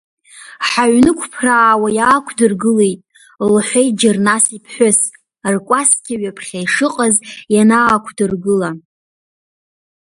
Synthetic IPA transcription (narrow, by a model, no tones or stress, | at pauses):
ħaɥnɨkʷʰpʰraːwajaːkʷʰdɨrɡɨle̞jtʼ | lħʷejtd͡ʒɪrnasipʰħʷᶣʊs | rkʷʼaskʲaɥapʰχʲajʂɨqʼazjanaːkʷʰdɨrɡɨla